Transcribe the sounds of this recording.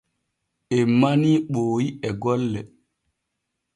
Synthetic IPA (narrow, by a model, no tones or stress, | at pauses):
ɛmːaniɓoːjiɛɡɔlːɛ